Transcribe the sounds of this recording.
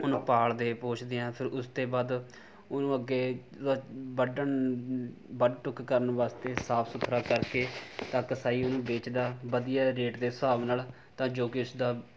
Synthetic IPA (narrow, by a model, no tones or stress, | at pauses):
ʊnũːpaːɭd̪eːpoːt͡ʃʰd̪eːɛ̃ːpʰɪɾʊst̪eːbaːd̪ | ʊnũːəɡːeː | bəɖən | bəɖʈʊkkəɾənʋaːst̪eːsaːpʰsʊt̪ʰːɾaːkəɾkeːt̪ãːkəsaːiːʊnũːbeːt͡ʃd̪aːbəd̪ɪjaːɾeːʈd̪eːsaːʋnaːl | t̪ãːd͡ʒoːkɪʊsd̪aː